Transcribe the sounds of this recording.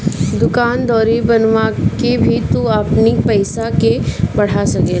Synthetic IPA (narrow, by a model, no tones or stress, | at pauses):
d̪ʊkaːnd̪ɔːɾibɐnʋakebʱit̪uɐpnipɐɪsakebɐɽ̤asɐkeː